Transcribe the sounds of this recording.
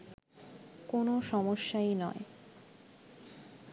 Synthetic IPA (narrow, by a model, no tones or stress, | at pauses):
konoʃɔmoʃːainɔ̰e